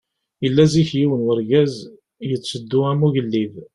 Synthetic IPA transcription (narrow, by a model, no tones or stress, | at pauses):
jəlːæziçjiwənwəɾɡæz | jət͡sːəd̪ːʊæmuʝəlːið